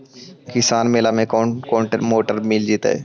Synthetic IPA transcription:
kɪsaːnmeːlamẽkːkoːɳʈəɾmoːʈəɾmild͡ʒit̪a̰ɛ̰ː

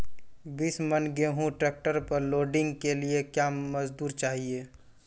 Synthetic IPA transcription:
biːsmɐnɡeɦũʈɾeːk̚ʈəɾpɐɾloːɖɪ̃ŋɡkeliekjamɐzd̪uːɾt͡ʃaːɦieː

